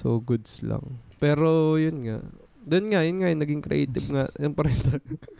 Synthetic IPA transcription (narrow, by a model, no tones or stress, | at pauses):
soɡʊd̪sla̰ŋpɛːɾojʊnŋa̰ʔ | d̪onŋajʊnŋajʊnɐɡɪŋkɾɪ̰ʔɛjt̪ɪb̚ŋaʔjʊŋpɾɛst̪ɐ